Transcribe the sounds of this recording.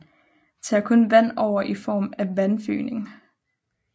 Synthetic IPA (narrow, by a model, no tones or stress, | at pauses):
t͡sʰɑ̈ːkʰɔ̽nʋæn̰ɒʊ̰ɐʔifɒ̰ːmæʋænfy̰ːne̝ŋ